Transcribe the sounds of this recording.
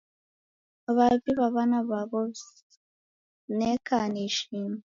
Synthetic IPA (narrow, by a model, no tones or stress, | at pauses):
aβaβiβaβanaβaβo | nekʰaniʃiːma